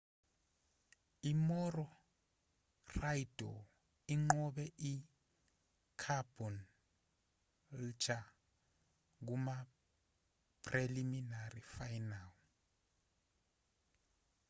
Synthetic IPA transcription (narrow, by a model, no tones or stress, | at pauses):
imɔrɔ | rajd̥ʱɔ̰ | iŋ͡ǃɔɓɛʔi | kʰab̥ʱɔn | lt͡ʃa | k̬uma | pʰreliminarifajnal